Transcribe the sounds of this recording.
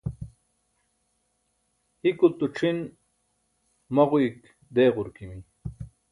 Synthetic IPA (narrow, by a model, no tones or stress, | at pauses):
ikult̪uʈ͡ʂʰin | mɐʁuik | d̪eːʁuɾkimin